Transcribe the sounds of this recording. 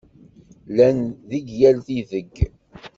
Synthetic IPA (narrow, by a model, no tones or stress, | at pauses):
lænðiɡjælθiðəɡ